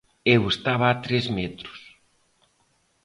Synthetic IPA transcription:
ewest̪aβaat̪ɾezmɛt̪ɾʊ̥s

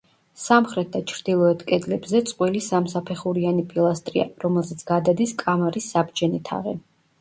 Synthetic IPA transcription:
samχɾɛt̪̚d̪at͡ʃʰɾd̪̥ilˠɔɛt̪ʰkʼɛd̪lɛbzɛt̪sʼqʼwilisamsapʰɛχuɾianipʼilˠast̪ʼɾia̰ɾɔmɛlˠzɛt̪sʰɡ̥ad̪ad̪iskʼamaɾisːabd͡ʒɛnit̪ʰa̰ʁɛ̰

